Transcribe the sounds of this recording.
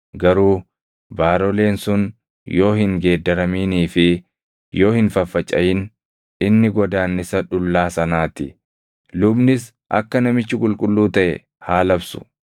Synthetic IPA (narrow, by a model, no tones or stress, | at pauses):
ɡɐɾuː | baːɾɔle̞ːnsʊn | jo̞ːhɪŋɡe̞ːd̪ːɐɾɐmiːniːfɪ | jo̞ːhɪnfɐfːɐt͡ʃʼːɐjɪn | ɪnːɪɡɔd̪aːnːɪsɐᶑʊlːaːsɐnaːt̪ɪ | lʊbnɪs | ʔɐ̰kːɐnɐmɪt͡ʃːɪkʼʊlkʼʊlːuːt̪ɐʔɛ̰ | haːlɐbsʊ̥̰